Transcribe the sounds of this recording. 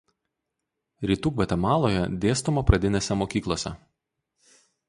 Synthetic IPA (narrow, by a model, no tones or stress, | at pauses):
ɾʲiːt̪uːkʋʲɛt̪ʲɛmɑːlˠoːjɛ̰d̪ʲeːst̪ʊmɐpɾɐd̪ʲɪnʲeːsʲɛmoːkʲiːklˠoːsʲɛ̰